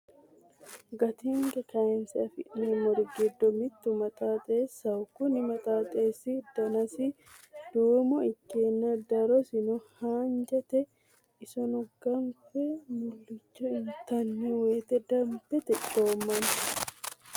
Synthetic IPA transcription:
ɡɐt̪ɪŋɡɛkɐɛnsɐfɪʔnemɔɾɡɪd̪ːɔmɪt̪ːʊmɐt̪ʼaːt̪ʼeːsːɐʊkʊnɪmɐt̪ʼaːt̪ʼeːsɪd̪̥ɐnɐsɪ | d̪̥uːmɔɪkːeːnːɐd̪ɐɾɔsɪnʊhaːnd͡ʒɛt̪ɛ | ɪsɔnɔɡɐŋkɛmʊlːɪt͡ʃːɔɪnt̪ɐnːiweːt̪ɛd̪ɐmbɛt̪ɛd̪o̞ːmːɐn

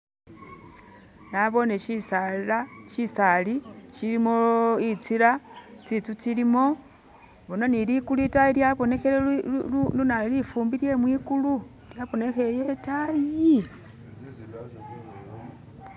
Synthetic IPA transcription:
naβo̞neʃisalaʃisaliʃilimoit͡siɾat͡sit͡sut͡silimo̞ | βunonilikuluitajiljaβo̞ne̞xelenunalifuːmbilje̞mwiːkulu | ljaβo̞ne̞xejetaji

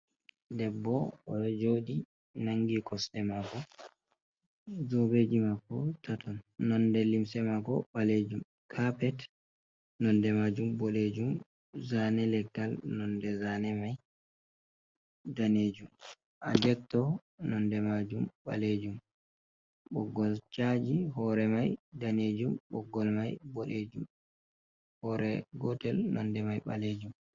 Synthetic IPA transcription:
dɛbːɔɔɗɔd͡ʒoːɗi | naŋɡikɔsɛmaɡɔ | d͡ʒɔbed͡ʒimakːɔtatɔnːɔndɛlimsɛmaɡɔɓaled͡ʒum | kʰapɛt | nɔndɛmaːd͡ʒumboled͡ʒum | zanɛlɛɡtalnɔndɛzanɛmaj | daneːd͡ʒum | ʔad͡ʒɛktɔ | nɔndɛmad͡ʒumɓa̰led͡ʒum | ɓɔɡːɔlt͡ʃad͡ʒiɦɔɾɛmajdaneːd͡ʒumɓɔɡːɔlmajbɔɗed͡ʒum | hɔɾɛɡɔtɛlnɔndɛmajɓa̰led͡ʒum

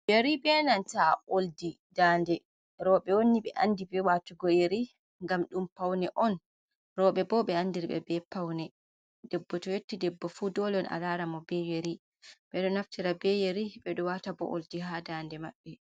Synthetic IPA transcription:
jeɾibɛnantaoldi | daːndɛ | ɾɔɓɛwonːiɓɛʔandibɛwatuɡɔjeɾi | ŋɡamɗumpawnɛʔɔn | ɾɔɓɛbɔɓɛandiɾɓɛ̰bɛpawnɛ | dɛbːɔtɔjetːidɛbːɔfudɔlɔna̰laɾamɔbejeɾi | ɓɛɗɔnaftiɾabɛjeɾiɓɛɗɔwatabɔ̰ʔo̰ldiɦadandɛmaɓːɛ

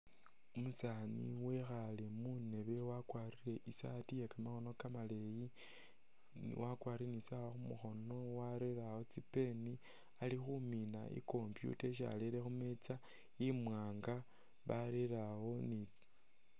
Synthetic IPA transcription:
umusanḭwe̞xalemune̞βe̞wakwariɾe̞ʔisatijekamaxo̞no̞kamaleji | wakwaːriɾenisawoxumuxo̞no̞waɾeɾawo̞t͡sipe̞ni | alixumina̰ḭko̞mpjṵteʃ̬a̰leɾexumet͡sa | imwaːŋɡa | βaɾeɾawo̞ni

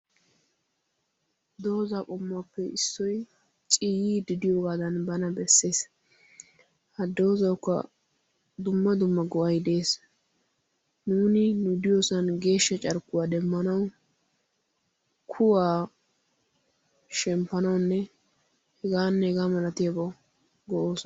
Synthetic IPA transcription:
d̪o̞ːzaːkʼɔmːapːɛɪsːɔj | t͡ʃʼijiːd̪ɪd̪ɪjoːɡaːd̪ɐnbɐnɐbɛsːe̞ːs | hɐd̪o̞ːzɐwkːɐ̰ | d̪ʊmːɐd̪ʊmːɐɡɔʔɐjd̪e̞ːs | nuːnɪnʊd̪ɪjoːsɐnɡe̞ːʃːɐt͡ʃʼɐɾkːʊwaːd̪ɛmːɐnɐw | kʰʊwaː | ʃɛmpːɐnɐwnːɛ | hɛɡaːnːɛhɛɡaːmɐlɐt̪ɪjabɐ | ɡɔʔoːsɔ

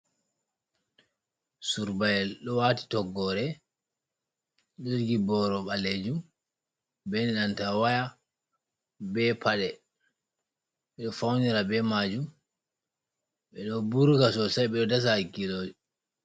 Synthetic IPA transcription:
suɾbajɛlɗɔwati̥tɔɡːɔɾɛ | ɗoɡibɔɾɔɓaled͡ʒum | bɛniɗantawaja | bɛpʰaɗɛ | ɓɛɗɔfawniɾabɛmad͡ʒum | ɓɛɗɔbuɾkasɔsajɓɛɗɔdas̬akiloːd͡ʒɔ

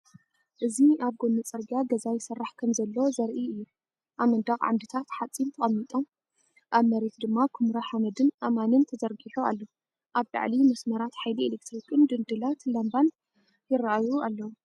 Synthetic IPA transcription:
ʔɨziʔaβɡonːɨt͡sʼɐɾɡaɡɐzajɪsɐrːaħkʰɐmzɐlːozɐɾʔiɨjːu | ʔamɐnd̪aχʼʕa̰md̪ɨt̪ʰat̪ħat͡sʼːint̪ʰɐχʼɐmːit̪ʼom | ʔaβmɐɾet̪d̪ɨmːakʰumɾaħamɐd̪ɨnʔamanɨnt̪ʰɐzɐɾɡiħua̰lːo | ʔaβla̰ʕlimɐsmɐɾat̪ħajlielek̚t̪ɾikʰʼɨnd̪ɨnd̪ɨlat̪lɐmban | jɪrːaʔajualːɐwu

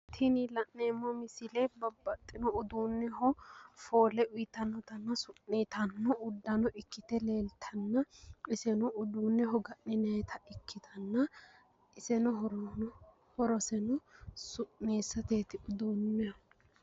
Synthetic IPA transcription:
t̪ʰɪnɪlɐʔːeːmːɔmɪsɪlɛbɐbːɐt̪ʼːɪnɔʊd̪uːnːɛhɔfo̞ːlɛʔʊjɪt̪ɐnːɔt̪ɐnːɐsʊʔnet̪ɐnːɔʔʊd̪ːɐnɔʔɪkːɪt̪ɛle̞ːlt̪ʰɐnːɐɪsɛnɔʊd̪uːnːɛɦɔɡɐʔnɪnɛt̪ʰɐɪkʰːɪt̪ɐnːɐ | ɪsɛnɔɔɾ | hɔɾɔsɛnɔsʊʔneːsːɐt̪eːt̪ɪʊd̪uːnːɛɔ

